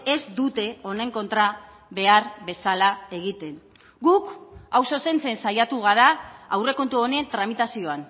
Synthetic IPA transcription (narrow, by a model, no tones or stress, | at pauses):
e̞zd̪ut̪e̞o̞ne̞ŋko̞nt̪ɾa | βe̞aɾβe̞salae̞ɣit̪e̞n | ɡukawso̞se̞nt͡se̞nsajat̪uɣ̞aɾaawre̞ko̞nt̪uo̞neent̪ɾamit̪asio̞an